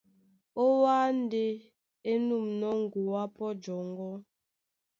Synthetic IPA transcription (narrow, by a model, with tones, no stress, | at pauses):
o˦wa˦n˦de˦ | e˦nu˦˨mnɔ˦ŋ˨ɡu˨wa˦pɔ˦d͡ʒɔ˨ŋɡɔ˦